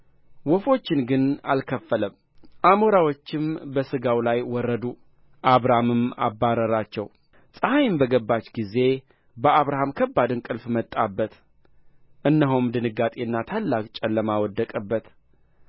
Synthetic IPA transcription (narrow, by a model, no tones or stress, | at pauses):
wɔfo̞t͡ʃːɪnɡɨna̰lkʰəfːələm | ʔamoɾawot͡ʃːɪmbəsɨɡawlajwɔrːəd̪u | ʔaβɾahmɨma̰bːaɾəɾat͡ʃːɛw | sʼəhajmbəɡəbːat͡ʃɡize̞ | bəaβɾahamkʰəbːad̪ɨnkʼɨlfmət̪ʼːabːət̪ | ʔɨnːəɦomd̪ɨnɨɡat̪ʼenːat̪ʰalːakʼt͡ʃʼɛlːəmawɔd̪ːəkʼəbːət̪